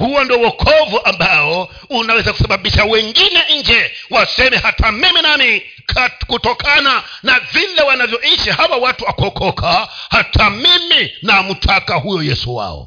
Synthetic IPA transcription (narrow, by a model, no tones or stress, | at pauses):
huwɔndiɔwɔkʰɔvuʔambaɔ | unawɛzaku̥saɓaɓiʃawɛŋɡinɛʔiŋd͡ʒɛwasɛmɛhatʰamiminami | kʰakutɔkʰananavilɛwanavjɔiʃihawawatuakɔkʰɔkʰahatʰamiminaːmutʰakahujɔjɛsuwa̰ɔ̰